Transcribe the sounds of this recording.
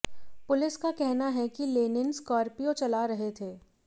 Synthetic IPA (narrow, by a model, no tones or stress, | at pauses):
pʊlɪskakɛɦnaɦɛkileːnɪnskɔːɾpijõt͡ʃɐlaɾɐɦet̪ʰeː